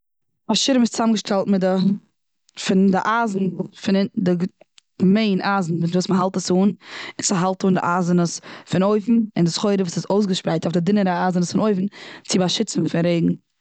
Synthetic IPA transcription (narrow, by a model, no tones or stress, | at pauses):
aʃɪɾɪmɪst͡samɡəʃtʰɛlˠtmɪdɪ | fɪndɪʔaːzn̩fɪndɪ | ɡmeɪnʔaːzn̩vuvuːsməɦalˠtəsuːnɪt͡saɦalˠtuːndɪ̰ʔaːzənəsfɪnoɪfn̩ɪndɪsχoɪɾəvuːsɪzoʊs̬ɡəʃpɾaɪtɔfdɪdɪnəɾəaːzənəsfɪnoɪfn̩t͡sɪbaʃɪt͡sn̩fɪnɾeɪɡŋ̩